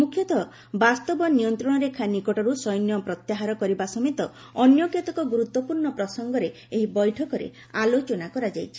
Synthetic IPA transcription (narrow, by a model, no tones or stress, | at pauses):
mukʰːjɔt̪ɔ | bast̪ɔbɔnijɔnt̪ɾɔɽ̃ɔɾekʰanikɔʈɔɾusɔjnjɔpɾɔt̪jaɦaɾɔkɔɾibasɔmet̪ɔ | ɔnjɔkjɔt̪ɔkɔɡuɾut̪wɔpuɾɳɔpɾɔsɔŋɡɔɾe | eɦibɔjʈʰɔkɔɾḛ | alot͡ʃɔnakɔɾad͡ʒajt͡ʃʰi̥